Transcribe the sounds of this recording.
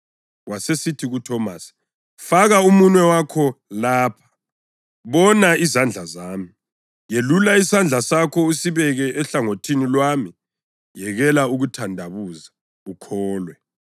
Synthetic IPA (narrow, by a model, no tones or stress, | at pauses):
wasesitʰiɣutʰɔmasi̥ | faɣaumunwɛwakʰɔlaːpʰḁ | βɔnaizand͡ɮʱazaːmi | jelulaisand͡ɮʱasakʰɔusiβɛɣɛʔɛɬaŋotʰinilwami | jɛɣɛlauɣutʰandʱaβuza | ukʰɔːlwɛ